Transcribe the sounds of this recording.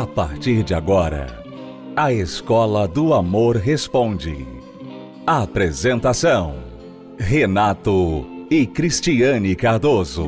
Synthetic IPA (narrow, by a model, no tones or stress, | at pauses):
apa̰ɾt͡ʃiɾd͡ʒɪaɡɔɾɐ̰ | ɐeskɔlɐd̪ʊamoɾɦespõnd͡ʒɪ̰ | apɾezẽnt̪asɐ̃w̃ | ɦenat̪ʊɪkɾist͡ʃiɐ̃nɪkaɾd̪ozʊ̰